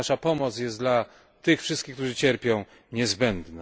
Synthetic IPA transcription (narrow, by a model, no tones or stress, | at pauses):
aʂapɔmɔt̪sjɛst̪d̪la | t̪ɘxfʂɘst̪kʲixk̚t̪uʐɘt͡ɕɛɾpʲjɔ̃w̃ | ɲɛzbɛnd̪na